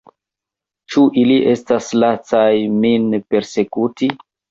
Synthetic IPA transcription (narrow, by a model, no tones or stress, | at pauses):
t͡ʃuʔiliʔe̞staslat͡sajminpe̞ɾse̞kuti